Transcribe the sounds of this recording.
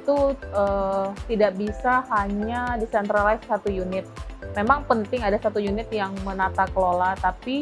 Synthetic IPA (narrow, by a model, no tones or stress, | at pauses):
it̪uət̪idaʔbisaɦaɲadisɛnt̪ɾalaisːat̪ujunɪt̪̚memaŋpənt̪ɪŋadasat̪ujunɪt̪̚jaŋmənat̪akəlolat̪api